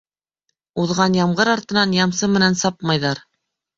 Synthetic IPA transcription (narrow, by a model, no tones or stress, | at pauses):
uðʁɑnjɑmʁɤɾɑɾt̪ɤ̆nɑnjɑmsɤmɘ̆nænsɑpmɑjðɑɾ